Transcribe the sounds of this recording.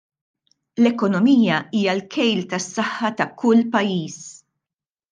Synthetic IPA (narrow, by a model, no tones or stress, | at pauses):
lɛkɔnɔmiːjɐiːjɐlkʰɛjlt̪ɐsːɐħːɐt̪ɐkʊlːpɐjːiːs